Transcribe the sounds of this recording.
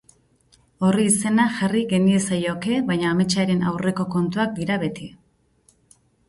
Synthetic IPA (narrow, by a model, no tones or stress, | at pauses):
o̞riːse̞naʝariɣe̞nie̞sajo̞ke̞βajɲaːme̞t͡ʃaɾe̞na̰wre̞ko̞ko̞nt̪uak̚d̪iɾaβe̞t̪i